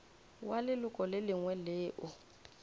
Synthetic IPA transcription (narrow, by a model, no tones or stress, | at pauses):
walɪlʊkʼɔlɪlɪŋwɛlɪːʔʊ